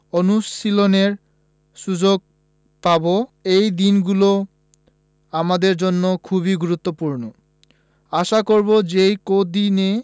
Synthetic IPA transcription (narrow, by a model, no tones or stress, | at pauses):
onusiloneɾ | ʃud͡ʑoɡ̚ | paboejd̪inɡulo | amad̪eɾd͡ʑonːokʰuβiɡuɾut̪ːopuɾno | aʃakoɾbod͡ʑejkod̪ine